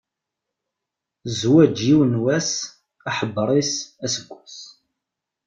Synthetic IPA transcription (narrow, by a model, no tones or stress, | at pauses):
zwæd͡ʒiwnwæs | aħəbːɾˤisæsəɡʷːus